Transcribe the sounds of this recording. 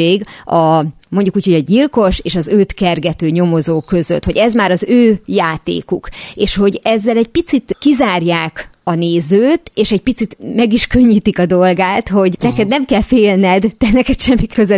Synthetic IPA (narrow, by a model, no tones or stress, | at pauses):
eːɡɒ | mo̞ɲɟukuːcho̞ɟɒɟilko̞ʃeːʃɒzøːt̪kɛrɡɛt̪øːɲo̞mo̞zoːkːø̞zø̰t̪ho̞ɟɛzmaːɾɒzøːjaːt̪ḛːkukeːʃho̞ɟɛzːɛlɛɟ̚pit̪sit̪kizaːrjaːkɒneːzøːt̪eːʃɛɟ̚pit̪sit̪mɛɡiʃkø̞ɲːiːt̪ikɒd̪o̞lɡaːt̪ho̞ɟnɛkɛd̪̚nɛmkɛlfeːlnɛd̪d̪ɛnɛkɛt̪ʃɛmːikøzø